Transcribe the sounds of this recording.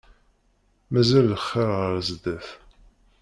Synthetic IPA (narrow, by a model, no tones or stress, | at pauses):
mæzælðəχːəɾʁəɾzd̪æf